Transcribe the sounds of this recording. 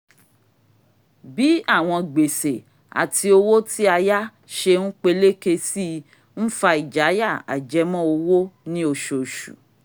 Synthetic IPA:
bi˦a˦˨w̃ɔ̃˧ɡ͡be˨se˨ | a̰˨tʰi˧o˧wo˦ti˦a˧ja˦ | ʃe˧ñ̩˦k͡pe˧le˦ke˧si˦ | n̩˦fa˧i˨d͡ʒa˨˦ja˦˨a̰˨d͡ʒɛ˨˦mɔ̃˦o˧wo˦nĩ˦o˧ʃo˨ʃṵ˨

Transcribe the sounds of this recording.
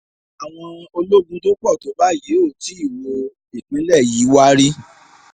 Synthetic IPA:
a˨w̃ɔ̃˧o˧lo˦ɡũ˧to˦k͡pɔ˦˨to˨˦ba˨˦je˨˦o˦˨ti˨˦i˦˨wo˧ | i˨k͡pĩ˨˦lɛ˦˨ji˨˦wa˦ɾi˦

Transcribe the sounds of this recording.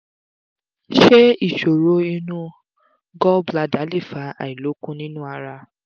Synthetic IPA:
ʃe˦i˦˨ʃo˨ɾo˨˦i˧nũ˦ | ɡɔ˦bla˨˧da˨˦le˦˨fa˨˦a̰˨i˨lo˨˦kũ˦nĩ˦nũ˦a˧ɾa˧

